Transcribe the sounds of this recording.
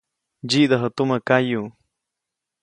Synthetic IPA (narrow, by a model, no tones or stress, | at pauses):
d͡ʒid̪aɦət̪umakaju